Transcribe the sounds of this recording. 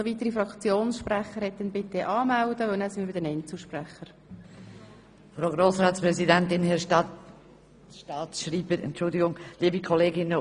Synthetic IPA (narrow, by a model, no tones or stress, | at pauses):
oviːt̪əɾifɾɑkt͡sjoːnsʃprɛχəɾhɛt̚dɛnbɪtəʔɑːmældəʋœlnæːsɪməbɪdɛnɛntt͡səʃprɛχəɾ | fɾaʊɡɾoːsraːtspɾɛzidɛntɪnhɛʃtɑt | ʃtɑːtʃɾiːbəɾɛ̰ntt͡ʃʊldɪɡʊŋliːbikʰɔleːɡɪnə